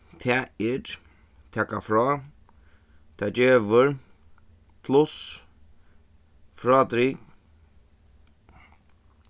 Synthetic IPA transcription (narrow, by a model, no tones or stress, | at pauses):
t̪ʰɛɛɾ | t̪ʰɛːkafɾɔː | t̪ʰɛːd͡ʒeːʋəɾ | pʰlʊs | fɾɔːt̪ɾi